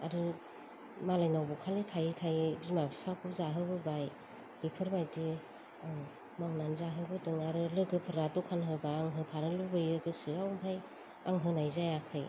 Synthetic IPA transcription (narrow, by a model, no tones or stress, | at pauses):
aɾɯ | malajnawbukʰalitʰajtʰajbizmabʰipʰakʰuzaɦɯbɯbaj | bipʰɯɾmajdi | maŋnanzaɦɯbɯdɯŋaɾɯlɯɡɯpʰɯɾadɔkʰanɦɯbaːŋɦɯpʰaɾɯlubɯjɯɡɯsɯawmɾaj | aŋɦɯnajzajakʰɯj